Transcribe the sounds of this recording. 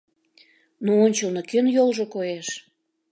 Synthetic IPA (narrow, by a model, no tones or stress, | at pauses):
nuonʲt͡ɕəlnokønjolʒokojeʃ